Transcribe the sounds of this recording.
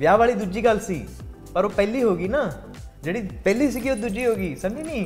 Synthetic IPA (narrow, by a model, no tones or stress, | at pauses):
ʋjaːʋaːlid̪ud͡ʒiːkɐlsḭː | pɐɾoːpɛːliɦoːɡiːna | d͡ʒeːɽipɛːlisikiod̪ud͡ʒiɦoːɡiːsɐminiː